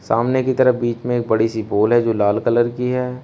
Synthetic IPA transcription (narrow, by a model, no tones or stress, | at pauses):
saːmnekit̪ɐɾəbiːt͡ʃmẽːk̚bɐɽisiboːlɦɛd͡ʒoːlaːlkɐləɾkiɦɛː